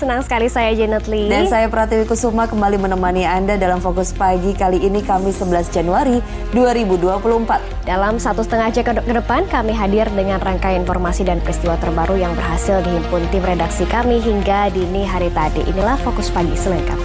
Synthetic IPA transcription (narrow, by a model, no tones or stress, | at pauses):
sənaŋsə̥kalisajad͡ʒɛnət̪lidansajapəɾhat̪iwikut̪sumakəmbalimənəmaniandadalamfokʊspaɡikaliinikamɪsːəbəlasd͡ʒanuaɾi | duaɾibuduapuluəmpat̪̚d̥alamsat̪usət̪əŋahd͡ʒakkədəpankamiɦadɪrdəŋanraŋkajinfɔrmasidanpəɾist̪iwat̪ərbaɾujaŋbərɦasɪldiɦimpʊnt̪ɪmredaksikamiɦiŋɡadiniɦaɾit̪adḭʔḭnilahfokʊspaɡisələŋka̰t̪̚